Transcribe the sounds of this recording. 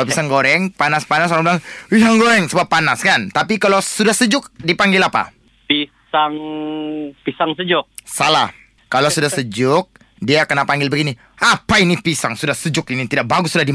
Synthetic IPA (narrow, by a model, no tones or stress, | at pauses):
pisaŋɡoɾɛŋpanaspanas̬oɾaŋbilaŋisaŋɡoɾɛŋsəbapːanaskant̪apikalosudahsəd͡ʒʊk̚dipaŋɡɪlapa̰ | pi | saŋ | pisaŋsəd͡ʒʊk̚sala̰h | kalosudahsəd͡ʒʊk̚ | diakənapaŋɡɪlbəɡini | apainipisaŋsudahsəd͡ʒʊkinit̪idak̚baɡʊsːudahdi